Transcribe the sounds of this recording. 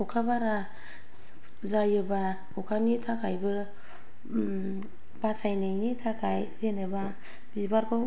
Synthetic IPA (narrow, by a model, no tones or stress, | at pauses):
ukʰabaɾa | zajɯba | ukʰanitʰakʰajbɯ | basajnajnitʰakʰajzenɯba | bibaɾkʰaw